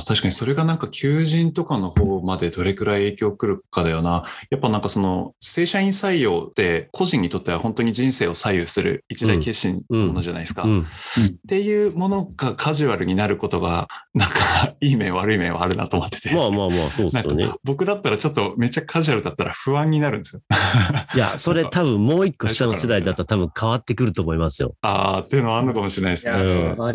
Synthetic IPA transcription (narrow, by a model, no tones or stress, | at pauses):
t̪aɕi̥kaɲ̟iso̞ɾe̞ɡanãŋkakʲʰɨːʑĩnt̪o̞kano̞hoːmad̪e̞d̪o̞ɾe̞kɯ̟ɾaie̞ːkʲo̞ːkɯ̟ɾɯ̟kad̪ajo̞najapːanãŋkaso̞no̞se̞ːɕaĩɰ̃saijo̞ːd̪̥e̞kʰo̞ʑĩɲ̟ːit̪o̞t̪ːe̞β̞ahõ̞nt̪oɲ̟iʑĩɰ̃se̞ːo̞saijɯsɨɾɯ̰it͡ɕid̪aike̞ɕĩnomonoʑana̰isɨ̥ka̰ | t̪e̞jɯ̟ːmo̞no̞ɡ̥akʰaʑɨβaɾɯ̟ɲ̟inaɾɯ̟ko̞t̪o̞ɡanãŋkaiːmẽβaɾɯ̟imẽ̞βa̰ːɾɯ̟na̰t̪oːmot̪ːe̥t̪emamaːma̰ːsoːd̪ao̰nḛbo̞kɯ̟d̪at̪ːaɾat͡ɕo̞t̪ːo̞me̞t͡ɕakʰaʑɯaɾɯ̟d̪at̪ːaɾa̰ɸɯ̟βãɲ̟ːinaɾɯ̟̃nd̪esɨjja̰so̞ɾe̞t̪aβɯ̟̃mmːo̞ːikːo̞ɕi̥t̪anosed̪aid̪at̪ːot̪abɯ̟̃ŋkʰaβat̪ːe̞kɯ̟ɾɯ̟t̪o̞ːmoimasɨjo̞̰a̰t̪ːeɯ̟no̞βanːokamo̞ɕiɾenais